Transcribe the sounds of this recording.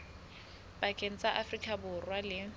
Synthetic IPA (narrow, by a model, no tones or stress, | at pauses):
b̥akʼen̩t͡sʼaʔafrikʼabʊrwalɪ